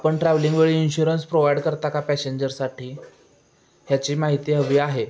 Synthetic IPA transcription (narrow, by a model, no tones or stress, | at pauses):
apəɳʈɾɛʋliŋɡʋeɭiːinɕuɾənspɾoʋajɖkəɾt̪akapæseɲd͡ʑəɾsaʈʰiː | ɦjat͡ɕiːmaɦit̪iɦəʋiːaɦe